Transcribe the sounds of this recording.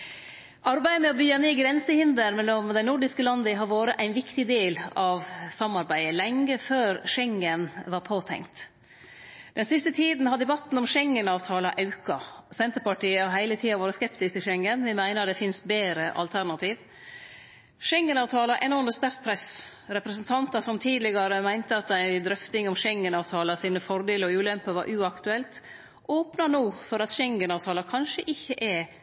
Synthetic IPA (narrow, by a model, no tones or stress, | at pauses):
ʔɑɾbæɪəmɛɔbyːɑneːɡɾɛnsəhɪnd̪əɾmɛlːɔmd̪ɛɪnʊɖɪskəlɑnd̪əɦɑɾʋoːɾəʔæɪnʋɪkt̪ɪd̪eːlɑʋsɑmːɑɾbæɪəlɛŋɡəføːɾʂɛŋːənʋɑɾpʰoːt̪ʰɛ̰ŋt̪ | d̪̥ɛnsɪst̪ət̪ʰiːd̪n̩hɑd̪ɛbɑt̪n̩ɔmʂɛŋːənɑːʋt̪ʰɑːlɑʔɑʉkɑsɛnt̪əɾpɑʈiːəɑɦhæɪlət̪ʰiːɑʋɑːɾəskɛpt̪ɪsk̪ɪʃɛŋːənʋɪmæɪnəɾd̪ɛfɪnsbeːɾəʔɑ̰lt̪ʰæɾnɑt̪ʰiːʋ | ʃɛŋːənɑːʋt̪ʰɑːlɑʔɛnɔɾməst̪æɾt̪̚pʰɾɛsɾɛpɾɛsənt̪ʰɑnt̪ɑsɔmt̪ʰiːd̪lɪɡɑɾəmæɪnt̪əɑt̪æɪd̪ɾœft̪ɪŋɔmʂɛŋːənɑːʋt̪ʰɑːlɑsiːnəfɔɾd̪eːləɔʉːlɛmpəʋɑ̰ɾʔʉːɑkt̪ʉɛlt̪ | ʔoːpnɑnuːfɔɾɑt̪ʃɛŋːənɑːʋt̪ʰɑːlɑkʰɑnʂəʔɪçːəʔɛ